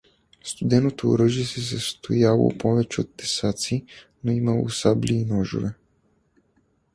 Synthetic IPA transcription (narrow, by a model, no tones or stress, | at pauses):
st̪ud̪ɛnot̪oo̰ɾəʒisɛsast̪ʰojalˠo̰pɔvɛt͡ʃɛot̪ːɛsat̪si | noimalo̰usablʲiːnɔʒo̰vɛ